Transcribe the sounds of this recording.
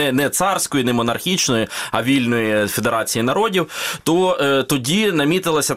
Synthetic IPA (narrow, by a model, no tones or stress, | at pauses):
ɛnɛt̪sɑrsʲkɔjinɛmɔnɐrxʲit͡ʃnɔjiɐ̰ʋʲilʲnɔjifed̪eɾɑt͡sʲijinɐɾɔdʲiwt̪ɔt̪ɔdʲinɐmʲit̪ɪlˠɐsʲɐ